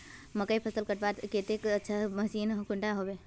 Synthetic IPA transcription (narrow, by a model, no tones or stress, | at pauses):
məkəipʰəsəlkəʈbat̪ket̪ekətːʃʰaməsiːnkʊɳʈaɦobe